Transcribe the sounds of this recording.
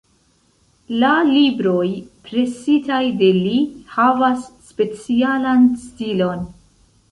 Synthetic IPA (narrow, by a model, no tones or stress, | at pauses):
lalibɾo̞jpɾe̞sitajde̞lihavasːpe̞t͡sialanstilo̞n